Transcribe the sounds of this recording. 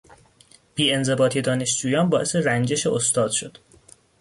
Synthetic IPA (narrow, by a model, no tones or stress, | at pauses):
b̥iːe̞nze̞bɒːt̪ʰid̪ɒːne̞ʃd͡ʒuːjɒːnbɒːʔe̞se̞ɾænd͡ʒe̞ʃeʔost̪ɒːd̪̥ʃo̞d̪̥